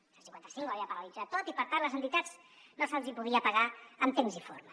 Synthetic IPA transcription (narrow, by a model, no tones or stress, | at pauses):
əlˠsiŋkwant̪ə̥siŋkaβiapəɾalid͡zat̪ːot̪ipəɾt̪anləzənt̪it̪ad͡z | nosazipuðiəpaɣaəmt̪emzifo̰ɾmə